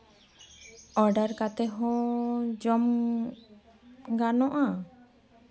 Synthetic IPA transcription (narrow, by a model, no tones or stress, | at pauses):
ɔɖaɾkat̪ɛɦɔ̃d͡ʒɔm | ɡanɔʔa